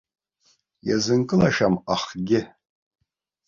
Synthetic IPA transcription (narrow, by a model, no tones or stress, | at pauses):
jazɨŋkʼɨlaʃamaχɡʲɪ